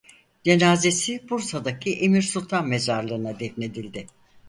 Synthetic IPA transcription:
d͡ʒe̞naːze̞sibuɾsad̪akʰiʔemiɾsulˠt̪ʰanme̞zaɾlˠɯɯnad̪ɛfne̞d̪ilʲd̪ɪ

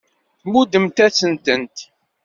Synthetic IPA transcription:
mud̪əmt̪æt͡sːənt̪ənt̪

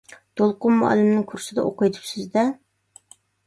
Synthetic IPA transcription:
t̪ʰolˠqʊnmɑ̰ːlˠɨmnɪŋkʰuɾsɨd̪ɑ̰ʔoqʊjt̪ʰu̥psɪzd̪ɛ

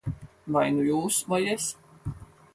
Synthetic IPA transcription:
vajnujuːsmɔjɛs

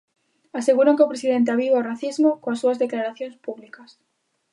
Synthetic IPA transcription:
aseɣuɾaŋkeopɾesiðent̪̬eaβiβaoraθizmokoasːuazðeklaɾaθjonspuβlikas

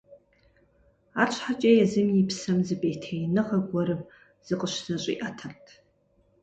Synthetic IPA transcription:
at͡ʃʷʰħat͡ʃʼejazɨmjipʰsɐmzɨbʼejtʰejnɨʁɐɡʷɐɾɨm | z̥ɨqʼəʃzɐɕʷʼḭʔatʰɐrtʼʰ

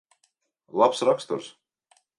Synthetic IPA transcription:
lˠapsɾakst̪uɾs

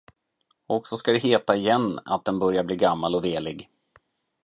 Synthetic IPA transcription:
ɔksɔskad̪ɛɦeːt̪aɪjɛnːa̰t̪̚d̪ɛnbœɾjabliːɡamːalɔveːlɪɡ

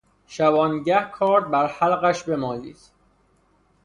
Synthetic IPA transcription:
ʃæbɒːnɟæhkʰɒːɾd̪̚bæɾhælɢæʃbe̞mɒːliːs

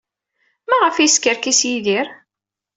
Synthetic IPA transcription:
mæʁəfjskəɾkisjiðiɾ

